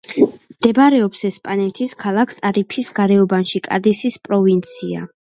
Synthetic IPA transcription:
md̪̥ɛbaɾɛɔpsɛspʼanɛt̪ʰiskʰalˠakʰt̪ʼaɾipʰisɡaɾɛɔbanʃikʼa̰d̪isispʼɾɔvint̪sʰia̰

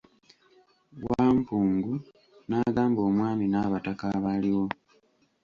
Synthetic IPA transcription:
waːmpuːŋɡu | naːɡaːmbo̞ːmwaːminaːβatakaβaliwo̞

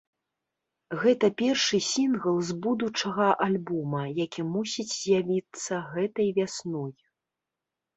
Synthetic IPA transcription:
ɣɛt̪ɐpʲɛrʂɨsʲinɣɐlˠzbud̪ut͡ʂɐɣɐʔalʲbɔmɐjakʲimusʲid͡zʲzʲjavʲit̪sːɐɣɛt̪ɐjvʲasnɔj

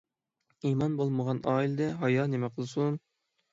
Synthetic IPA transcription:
imɑnbolˠməʁɑnʔɑːild̪ɛɦɑjɑnemɛqʰəlˠsun

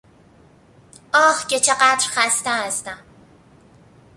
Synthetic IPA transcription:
ʔɒːhcet͡ʃʰeɢæd̪ɾxæst̪ææst̪æm

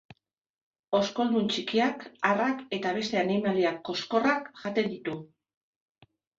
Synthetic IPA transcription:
o̞sko̞ld̪unt͡ʃikiakarake̞t̪aβ̞e̞st̪e̞animaliakːo̞sko̞rakʝat̪e̞nd̪it̪u

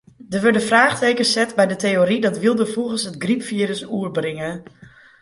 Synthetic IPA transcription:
dəʋøɹdəfraːxteːkəsɛtbɛjdəteoɾidɔtʋɪlˠdəfuɣəsətɡripfiəɾəsuərbrɪŋə

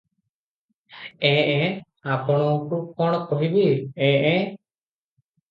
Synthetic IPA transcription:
ɛ̃ʔɛ | apɔɽ̃ɔʈukɔɽ̃kɔɦibiɛ̃ʔɛ

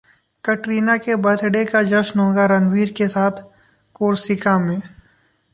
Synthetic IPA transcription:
kɐʈɾiːnakebɐɾt̪ɖekad͡ʒɐʃnɦõːɡaɾɐnwiːɾkesaːt̪ʰ | koːɾsɪkamẽː

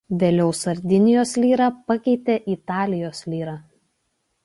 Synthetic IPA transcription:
ʋʲeːlʲɛʊsɐɾʲd̪ʲɪnʲɪjoːslʲiːɾɑːpɐkʲɛɪt̪ʲeːʔɪt̪ɑːlʲɪjoːslʲiːɾɑː

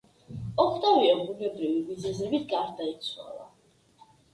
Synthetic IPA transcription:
ɔkʰt̪ʼaviɔbunɛbɾivivizɛzɛbit̪ʰɡaɾd̪ait̪sʰwa̰lˠa̰

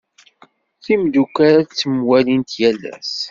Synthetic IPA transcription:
θimd̪ukaɾat͡sːəmwælint̪jælːæ̰s

